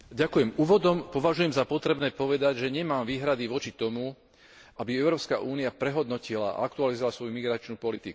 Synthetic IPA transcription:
ɟakujɛmuːʋɔd̪ɔmpɔʋaʒujɛmzapɔt̪ɾɛbnɛːpɔʋɛd̪aɟʒɛɲɛmaːmʋiːɦɾad̪iʋɔt͡ʃit̪ɔmu | ʔabiɛʊɾɔːpska̰ʔuːniapɾɛɦɔd̪nɔcilaa̰akt̪ualizɔʋalasʋɔjumiɡɾat͡ʃnuːpɔlit̪iku̥

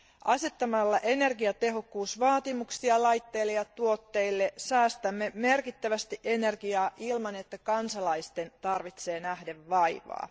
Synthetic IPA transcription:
ʔɑse̞t̪ːɑmɑlːɑʔe̞ne̞rɡiɑt̪e̞ɦo̞kːuːsʋɑːt̪imuksiɑlɑjt̪ːe̞jlːejɑt̪uo̞t̪ːe̞ilːe̞sæːst̪æmːeme̞rkit̪ːæʋæst̪iʔe̞ne̞rɡiɑːʔilmɑne̞t̪ːækɑnsɑlɑijst̪e̞nt̪ɑrʋit̪se̞ːnæhdeʋːɑjʋɑ̰ː

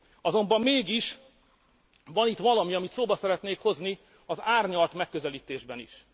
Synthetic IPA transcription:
ɒzo̞mbɒmːeːɡiʃ | ʋɒnit̪ʋɒlɒmiɒmit̪soːbɒsɛɾɛt̪neːkho̞zni | ɒzaːrɲɒlt̪mɛkːøzɛliːt̪eːʒbɛnḭʃ

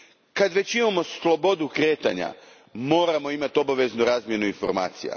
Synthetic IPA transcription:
kad̪ʋe̞t͡ɕimamo̞slˠo̞bo̞d̪ukɾe̞ːt̪a̰ɲa̰ | mo̞ːɾamo̞imat̪io̞baʋe̞znuɾaːzmʲje̞nuinfo̞̰ɾma̰ːt̪sija̰

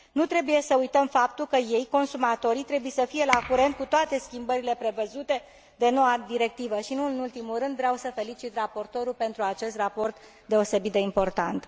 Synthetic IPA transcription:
nut̪ɾe̞buje̞səujt̪əmfapt̪ulkəje̞jko̞nsumat̪o̞ɾit̪ɾe̞buje̞səfije̞lakuɾe̞nt̪̚kut̪oat̪e̞skʲimbəɾile̞pɾe̞vəzut̪e̞ | d̪e̞no̞wad̪iɾe̞k̚t̪ivəʃinuɨnult̪imulrɨnd̪vɾeawsəfe̞lit͡ʃit̪rapo̞rt̪o̞ɾupe̞nt̪ɾuat͡ʃe̞st̪rapo̞rt̪ | d̪e̞o̞se̞bit̪̚d̪e̞impo̞rt̪ant̪

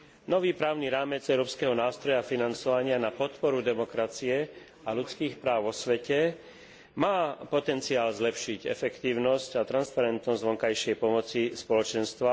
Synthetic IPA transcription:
nɔʋiːpɾaːʊniɾaːmɛd͡zɛʊɾɔːpskɛɦɔnaːst̪ɾɔjafinant͡sɔʋaɲɪanapɔt̪pɔɾud̪ɛmɔkɾat͡siɛ | alut͡skiːxpɾaːʊʋɔsʋɛcɛ | maːpɔt̪ɛnt͡siaːlzlɛpʃiɟɛ̰fɛkt̪iːʊnɔscat̪ɾanspaɾɛnt̪nɔzɟʋɔŋkajʃɪɛjpɔmɔt͡sispɔlɔt͡ʃɛnst̪ʋa

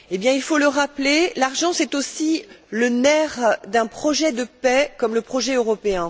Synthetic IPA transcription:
ebjɛ̃ilfoləʁaplelaʁʒɑ̃sɛt̪osilənɛʁd̪ɛ̃pχɔʒɛd̪əpɛkɔmləpχɔʒɛøʁɔpeɛ̃

